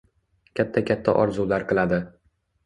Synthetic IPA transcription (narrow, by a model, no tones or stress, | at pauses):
kʲʰat̪ʰːakʲʰat̪ʰːa̰ʔɒɾzulaɾqɨlˠad̪ɪ